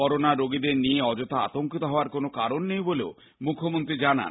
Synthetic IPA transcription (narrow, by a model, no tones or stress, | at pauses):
ɔɾonaɾoɡid̪eɾnieɔd͡ʒot̪aa̰t̪oŋkit̪oɦɔoaɾkonokaɾonːejboleo | mukʰːomont̪ɾid͡ʒana̰n